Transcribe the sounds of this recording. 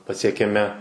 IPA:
pɐsʲiɛkʲɛˈmʲɪ

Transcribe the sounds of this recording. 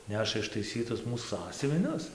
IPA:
ˈnʲæːʃɐ ɪʃtɐɪˈsʲiːtʊs ˈmuːs ˈsɑːsʲʊʋʲɪnʲʊs

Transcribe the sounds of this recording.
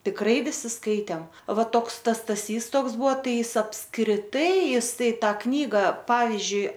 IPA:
tʲɪkˈrɐɪ ʋʲɪˈsʲɪ ˈskɐɪtʲeːm ˈʋɐ ˈtoːks ˈtɐs stɐˈsʲiːs ˈtoːks ˈbuɔ ˈtɐɪ ˈɪs ɐpskrʲɪˈtɐɪ ˈjɪs ˈtɐɪ ˈtɑː ˈknʲiːɡɐ ˈpɑːʋʲɪzʲd͡ʒʲʊɪ

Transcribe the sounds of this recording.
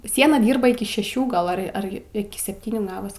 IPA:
ˈsʲiɛnɐ ˈdʲiːrbɐ ˈɪkʲɪ ʃʲɛˈʃʲuː ˈɡɐlˠ ˈɐr ˈɐr ɪˈkʲɪ sʲɛpʲˈtʲiːnʲuː ˈɡɑːʋɐs

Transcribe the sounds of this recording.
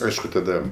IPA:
ˈɐɪʃkʊ tɐˈdɐ

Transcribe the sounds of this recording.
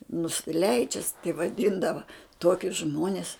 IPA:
nʊsʲɪˈlʲɛɪd͡ʒʲɛs tɐɪ ʋɐˈdʲiːndɐʋɐ ˈtuɔkʲʊs ˈʒmuɔnʲɛs

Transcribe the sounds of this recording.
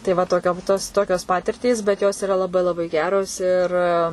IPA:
tɐɪ ˈʋɐ toːˈkʲoːm toːs ˈtoːkʲoːs ˈpɑːtʲɪrʲtʲiːs bʲɛt ˈjoːs ɪˈrɐ lˠɐˈbɐɪ lˠɐˈbɐɪ ˈɡʲæːroːs ɪr

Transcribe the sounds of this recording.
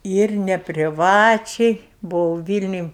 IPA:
ɪr nʲɛpʲrʲɪˈʋɑːt͡ʃʲɛɪ bʊˈʋɐʊ ˈʋʲiːlʲnʲʊj

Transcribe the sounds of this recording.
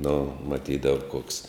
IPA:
nʊ mɐˈtʲiːdɐw koːks

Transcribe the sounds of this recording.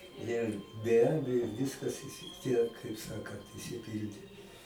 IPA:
ˈnʲɛ bʲɛ ˈɑːbʲɛjoː ˈʋʲɪskɐs ɪsʲɪ ˈtʲiɛk kɐɪp ˈsɑːkɐnt ɪʃʲsʲɪˈpʲɪlʲdʲeː

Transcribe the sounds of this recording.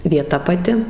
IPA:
ʋʲiɛˈtɐ pɐˈtʲɪ

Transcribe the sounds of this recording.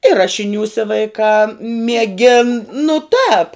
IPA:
ɪ ˈrɑːʃʲɪnʲuːsʲɛ ʋɐɪˈkɑː mʲiɛˈɡʲɪn nʊ tɑːp

